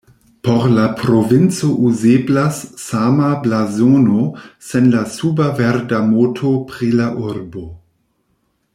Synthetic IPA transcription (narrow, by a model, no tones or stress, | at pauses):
poɾlapɾovint͡soʔuzeblasːamablazonosenlasubavɛɾdamotʰopɾilaʔuɾbo